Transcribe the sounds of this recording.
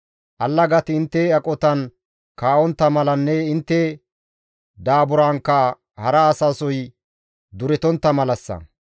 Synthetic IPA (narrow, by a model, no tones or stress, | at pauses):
ʔɐlːɐɡɐt̪ɪnt̪ːɛɐkʼɔt̪ɐn | kaːʔɔnt̪ːɐmɐlɐnːɛɪnt̪ːɛ | d̪aːbʊɾaːŋkːɐ | hɐɾɐːsaːsɔj | d̪ʊɾɛt̪ɔnt̪ːɐmɐlɐsːɐ̰